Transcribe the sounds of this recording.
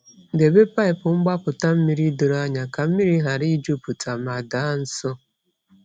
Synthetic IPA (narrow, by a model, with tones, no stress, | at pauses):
de˨be˦pa˦ɪ˨pʊ˨ŋ͡m̩˦ɡ͡ba˦pʊ˨ta˦m̩˦mi˦ɾi˦do˨ɾo˦a˦ɲa˨ka˨m̩˦mi˦ɾi˦ɦa˨ɾi˦d͡ʒo˦pu˨tʰa˨ma˨da˨˦n̩˦sɔ˦